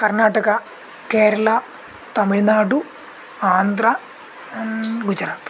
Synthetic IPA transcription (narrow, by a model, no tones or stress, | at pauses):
kɐrnaːʈɐɣɐ | keːɾɐɭɐ | t̪ɐmiɭnaːɖu | aːnd̪rɐ | ɡud͡ʑɐɾaːt̪